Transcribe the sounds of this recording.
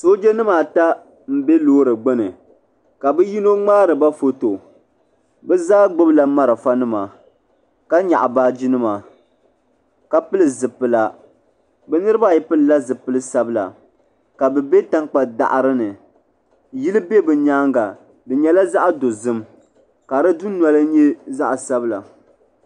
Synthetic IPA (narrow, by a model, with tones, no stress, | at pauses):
so˦d͡ʒe˦nɨ˦ma˨ta˦ | m̩˦be˦loː˦ɾɨ˨ɡ͡bɛ˦nɨ˨ | ka˨bɨ˦ji˦no˦ŋ͡maː˦ɾɨ˨ba˦fo˦to˨ | bɛ˦zaː˦ɡ͡bʊ˦bla˨ma˦ɾɨ˨fa˦nɨ˦ma˨ | ka˦ɲa̰˨ʔbaː˦d͡ʒi˦nɨ˦ma˨ | ka˦pɨ˦lɨ˨zɨ˨pːɨ˨la˦ | bɛ˨nɨ˦ɾɨ˦ba˦˨ji˦pɨ˦lɨ˨la˦zɨ˨pɨ˦lɨ˦sa˦bɨ˦la̰˨ | ka˨bɛ˨be˦ta˦ŋk͡pa˨da̰˨ʔɾɨ˦nɨ˨ | ji˦lɨ˦be˦bɨ˨ɲaː˦ŋɡa˨ | bɨ˨ɲɛ˦la˦za˦ʔa˦do˨zɨ˦m | ka˨ɾɨ˦du˦nwa˦lɨ˦ɲɛ˦za˦ʔsa˦bɨ˦la̰˨